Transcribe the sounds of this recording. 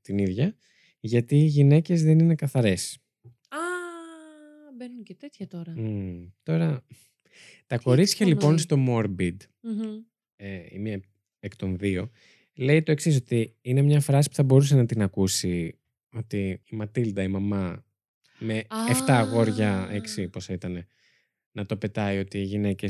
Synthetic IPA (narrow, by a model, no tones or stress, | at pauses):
t̪iniðʝɐ | ʝɐt̪iːʝine̞ce̞zðe̞nine̞kɐθɐɾe̞s | ɐ | benut̪eɐt̪oɾɐt̪o̞ɾɐ | t̪ɐko̞ɾisçɐlipo̞nst̪o̞mo̞ɾbid̪ | eḭmiɐ | ekt̪o̞nðio̞ | le̞it̪o̞eksis̬o̞t̪iine̞mɲɐfɾɐsi̥puθɐbo̞ɾus̬enɐt̪inɐkusi | o̞t̪iimɐt̪ild̪ɐimɐmɐ | me̞eft̪ɐɣo̞ɾʝɐeksiposit̪ɐne̞ | nɐt̪o̞pe̞t̪ɐio̞t̪iːʝine̞ce